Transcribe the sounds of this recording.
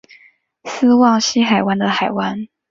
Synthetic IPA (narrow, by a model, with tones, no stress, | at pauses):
sɹ̩˥wɑ˥˩ŋɕi˥xa˨˩ɪwa˥nd̪ə˨xa˨˩ɪwa˧˥n